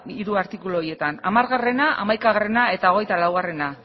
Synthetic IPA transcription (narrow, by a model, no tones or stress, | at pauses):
iɾuaɾt̪ikuloɾie̞t̪ana̰maɾɣare̞naʔa̰majkaɣare̞nae̞t̪ao̞ɣ̞e̞jt̪alawɣare̞na